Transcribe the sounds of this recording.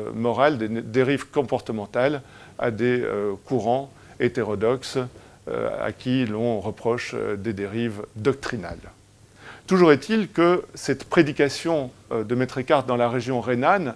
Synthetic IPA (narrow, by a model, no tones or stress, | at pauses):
mɔʁald̪ed̪eʁivkɔ̃pɔʁt̪əmɑ̃t̪al | a̰d̪ekuʁɑ̃ | et̪eʁɔd̪ɔks | a̰kʲilɔ̃ʁəpχɔʃd̪ed̪eʁivd̪ɔk̚t̪χina̰l | t̪uʒuʁɛt̪ilkəsɛt̪pχed̪ikasjɔ̃ | d̪əmɛt̪χekaʁt̪̚d̪ɑ̃laʁeʒjɔ̃ʁenan